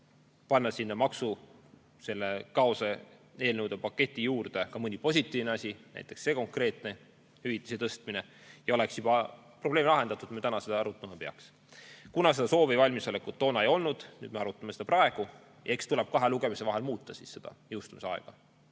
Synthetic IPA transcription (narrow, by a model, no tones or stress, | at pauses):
pɑnːɑsinːɑmɑksu | se̞lːekɑosɑe̞ːlnəwd̪epɑkːe̞t̪ʲˑːijuːrd̪̥e̞kɑmɤnʲipo̞s̬ʲit̪ːˑiːvneɑsʲinæ̰jt̪ːˑeksːe̞ːko̞ŋkre̞ːt̪ˑne̞ | hyvit̪ˑːi̥set̪ɤst̪mine | jɑo̞leksjub̥ɑ | pro̞b̥leːmlɑɦe̞nd̪̥ɑt̪ːˑud̪̥met̪ænɑse̞d̪ɑɑɾut̪ːˑɑmɑpe̞ɑ̰ks | kunɑse̞d̪ɑso̞ːvevɑlʲmiso̞lekːˑut̪ːo̞ːnɑejo̞lnud̪̥ny̰ːd̪me̞ɑɾut̪ːˑɑmesed̪ɑprɑe̞ɡ̥u | jɑekst̪ulɛb̥̚kɑɦeluɡemise̞vɑɦe̞lmuːt̪ːɑsisse̞d̪̥ɑ̰jɯwst̪umiseɑḛɡ̥ɑ